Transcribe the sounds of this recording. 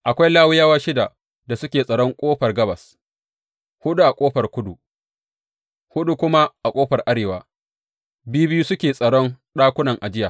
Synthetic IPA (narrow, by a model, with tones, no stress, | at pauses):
ʔa˨kʷa˦jlaː˦wɪ˦jaː˦wa˦ʃɪ˦da˨ | da˨sʊ˦kʲeː˨sʼɐ˨ɽɔ˦ŋkʷʼoː˦ɸɐ˨rɡɐ˦bɐ˨s | hʊ˦ɗu˦ʔa˨kʷʼoː˦ɸɐ˨rkʷʊ˦du˨ | hʊ˦ɗu˦kʷʊ˦ma˦ʔa˨kʷʼoː˦ɸɐ˨rʔa˦ɽeː˨waː˨˦ | bɪ˦ju˦bɪ˦juː˦sʊ˦kʲeː˨sʼɐ˨ɽɔ˦nɗaː˦kʷʊ˦nɐ˨ŋʔa˨d͡ʒɪ˦jaː˨